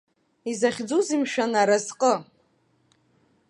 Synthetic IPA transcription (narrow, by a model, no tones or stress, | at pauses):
izaχʲd͡zuzimʃᶣanaɾazqʼə